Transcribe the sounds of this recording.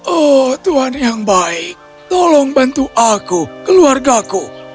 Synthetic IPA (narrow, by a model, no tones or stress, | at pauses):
ʔɔht̪uɦanjaŋbaɪk̚ | t̪ɔlɔŋbant̪uʔakukəluarɡaku